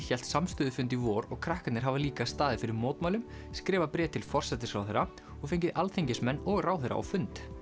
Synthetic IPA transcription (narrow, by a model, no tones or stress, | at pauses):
çɛl̥t̪samst̪ʏːðʏfʏnt̪ivɔːɾɔɣkʰɾahkat̪nɪɾ̥ɦavaliːkast̪aːðɪfɪɾɪɾmoːwt̪maːwlʏm | skɾɛːvapɾɛːt̪ʰːɪlfɔr̥sɛt̪ɪsɾawθɛɾa | ɔɣfeɲcɪðalθejɲcɪsmɛnːɔɣraːwθɛɾa̰ʔa̰wfʏnt̪